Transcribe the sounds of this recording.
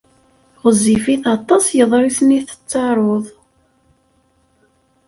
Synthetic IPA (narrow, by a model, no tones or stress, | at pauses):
ʁəzifiθɑt̪ˤːɑsjəðˤɾˤisniθə̥t͡sːɑɾˤoðˤ